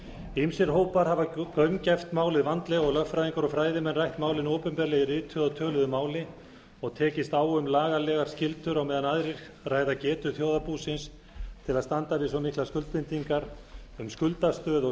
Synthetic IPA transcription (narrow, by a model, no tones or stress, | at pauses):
imsɪɾ̥ɦoːwpaɾɦavakœɥmcɛft̪maːwlɪðvant̪lɛɣɔɣlœxfɾajðiŋkaɾɔfɾaːjðɪmɛnrajht̪maːwlɪnoːwpʏmpɛɾlɛɣɪrɪːt̪ʰʏɔt̪ʰœːlʏðʏmaːwlɪ | ɔɣt̪ʰɛːcɪst̪aːwʏmlaːɣalɛːɣaɾ̥scɪlt̪ʏɾawmɛːðanaðɾɪ̥ | raːjðacɛːt̪ʏθjoːwðapuːsɪns | t̪ʰɪlaðst̪ant̪avɪsɔmihklaskʏlt̪pɪnt̪iŋkaɾʏmskʏlt̪ast̪œːðɔ